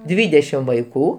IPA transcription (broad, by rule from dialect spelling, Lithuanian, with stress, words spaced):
ˈdʲʋʲiːdʲɛʃʲɪm ʋɐɪˈkuː